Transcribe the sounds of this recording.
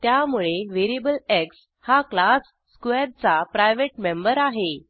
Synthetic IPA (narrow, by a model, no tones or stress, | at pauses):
t̪jamuɭeʋeɾebəleks | haklasːkʋeɾt͡sapɾajʋeʈmembəɾaɦe